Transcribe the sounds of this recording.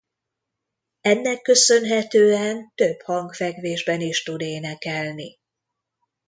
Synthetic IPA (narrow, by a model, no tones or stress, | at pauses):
ɛnːɛkːø̞sø̞nɦɛt̪øːɛnt̪ø̞bhɒŋkfɛɡʋeːʒbɛniʃt̪ud̪eːnɛkɛlni